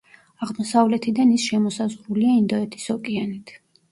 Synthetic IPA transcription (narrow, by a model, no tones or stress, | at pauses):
aʁmɔsavlɛt̪ʰid̪anisʃɛmɔsazʁɾuliaind̪ɔɛt̪ʰi̥sɔkʼianit̪ʰ